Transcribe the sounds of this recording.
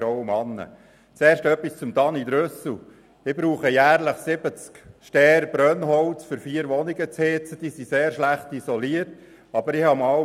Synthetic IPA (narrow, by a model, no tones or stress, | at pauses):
ɾɔwəmɑnːə̰ | t͡sɛːɾʃtœpːist͡sʊmd̪ɑnid̪ɾøsl | ɪb̥ɾuːχəjæːɾləχsɪbət͡skʃtɛːɾb̥ɾœnɦɔlt͡sfʏɾfiːɾʋɔniɡət͡shɪt͡səd̥iːsiseːɾʃlæχtisɔliərt | ɑb̥əɾɪhɑmɑ